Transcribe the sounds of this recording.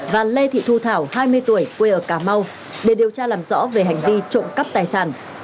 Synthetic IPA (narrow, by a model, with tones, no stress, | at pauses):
vaː˨˩le˧t̪ʰḭ˧˨t̪ʰu˧t̪ʰaː˧˩whaː˧jmɨ˧əjt̪u˧˩əjkwe˧ʔəː˧˩kaː˧˩ma˧w | ɗe˨˧˩ɗi˨˩əwt͡ɕaː˧laː˨˩mzɔ̰˧˥ve˨˩ɦa˨˩jŋ̟vi˧t͡ɕo̰˧˨ŋ͡mkə˦˥p̚t̪aː˨˩jsaː˧˩n